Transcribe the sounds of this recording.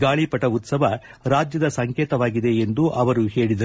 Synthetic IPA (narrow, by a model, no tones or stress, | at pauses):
ɡaːɭipɐʈɐut̪sɐʋɐɾaːd͡ʒjɐd̪ɐsɐŋkeːt̪ɐʋaːɡid̪e̞end̪uʔɐʋɐɾuhe̞ːɭid̪ɐɾ